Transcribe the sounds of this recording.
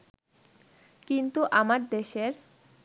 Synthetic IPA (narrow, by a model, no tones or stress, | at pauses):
kint̪uʔamaɾd̪eʃeɾ